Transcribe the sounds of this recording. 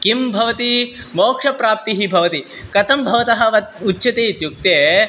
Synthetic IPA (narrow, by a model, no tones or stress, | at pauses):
kimbʱɐʋɐt̪i | moːkʂɐpɾaːp̚t̪iɦibʱɐʋɐt̪i | kɐt̪ɐmbʱɐʋɐt̪ɐɦɐ̆ʋɐutːʃɐt̪eːit̪juk̚t̪eː